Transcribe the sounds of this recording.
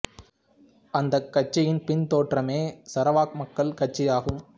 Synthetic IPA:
ɐnd̪ɐkːɐt͡ʃːɪjɪnpɪnt̪oːʈrɐmeːsɐɾɐʋaːk̚mɐkːɐlkɐʈ̚t͡ʃːɪjaːɣɯm

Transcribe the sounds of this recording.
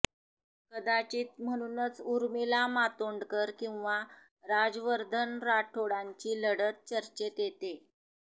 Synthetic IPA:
kəd̪at͡ɕiːt̪̚m̤əɽ̃unət͡suɾmilamat̪oɳɖkəɾkĩw̃ʋa | ɾad͡zʋəɾd̪ʱənɾaʈʰoɽaɲt͡ɕiːləɽət̪̚t͡ɕəɾt͡ɕet̪jet̪e

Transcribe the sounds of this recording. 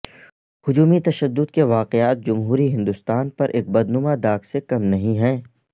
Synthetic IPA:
hʊd͡ʒuːmit̪ɐʃəd̪ːʊd̪keʋaːqeaːt̪̚d͡ʒɐmɦuːɾiɦɪ̃nd̪ʊst̪aːnpɐɾʔḛːk̚bɐd̪nʊmad̪aːksekɐmnɐɦĩɦɛ̃ː

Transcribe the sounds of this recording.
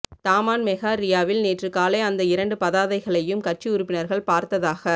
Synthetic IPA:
t̪aːmaːnmɛɣaːɾɪjaːʋɪlneːʈrɯkaːleːɐnd̪ɐɪɾɐɳɖɯpɐðaːðɐɪɣɐɭɐjɯmkɐʈ̚t͡ʃiʊɾʊpːɪnɐɾɣɐɭpaːɾt̪ɐðaːɣɐ

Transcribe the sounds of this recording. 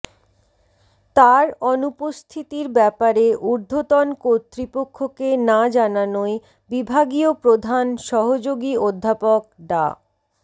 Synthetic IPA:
t̪aɾɔnupost̪ʰit̪iɾbɛpaɾeʔuɾd̪ʱot̪ɔnkoɾt̪ːɾipokʰːokenad͡ʑananoe | bibʱaɡiopɾod̪ʱanʃɔɦod͡ʑoɡiod̪ʱːapok̚ɖa̰

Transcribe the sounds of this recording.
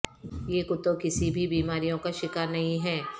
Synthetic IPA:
jeːkʊt̪ːokɪsibʱibiːmaːɾijõkaʃɪkaːɾnɐɦĩɦɛː

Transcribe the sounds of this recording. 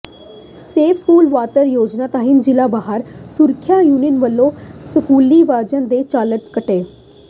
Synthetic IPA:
seːfʰskuːlʋaːt̪əɾjoːd͡ʒnat̪aɦind͡ʒɪlabaːɦəɾsuɾkʰjajuːninʋəlːosəkuːliʋaːd͡ʒənd̪et͡ʃaːləʈkəʈeː

